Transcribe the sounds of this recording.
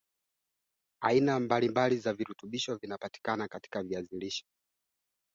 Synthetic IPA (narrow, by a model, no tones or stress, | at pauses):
ainambalimbalizaviɾutuɓiʃɔvinapati̥kanakati̥kaviaziliʃɔ̥